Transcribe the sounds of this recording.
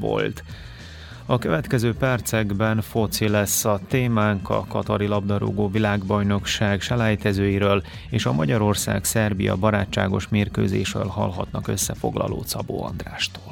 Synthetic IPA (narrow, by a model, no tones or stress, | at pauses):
vo̰lt̪ | ɒkøvɛt̪kɛzøːpɛrt̪sɛɡbɛnfot̪silɛsːɒt̪eːmaːŋkɒ̰kɒt̪ɒɾilɒb̚d̪ɒɾo̰ɡoːvilaːɡbɒjno̞kʃaːɡʃɛlaːjt̪ɛzøːjiɾøːl | eːʃɒmɒɟɒɾo̞rsa̰ːksɛrbijɒ̰bɒɾaːt͡ʃːaːɡo̞ʃmeːrkø̰ːzeːʃrø̰ːlhɒ̰lɦɒt̪nɒkø̞sːɛfoɡlɒ̰lo̰ːt̪sɒbo̰ːɒ̰nd̪raːʃt̪oːl